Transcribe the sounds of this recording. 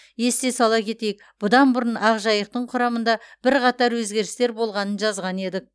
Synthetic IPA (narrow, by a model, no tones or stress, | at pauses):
je̞st̪e̞sɑlˠɑkʲʰe̞t̪e̞jɪk̚ | b̥ʊd̪ɑnbʊɾənɑʁʒɑjəqt̪əɴqʰʊɾɑmənd̪ɑb̥ɪɾqʰɑt̪ɑɾwɵzɡʲe̞ɾɪst̪e̞ɾbo̞lˠʁɑnənʒɑzʁɑne̞d̪ɪk̚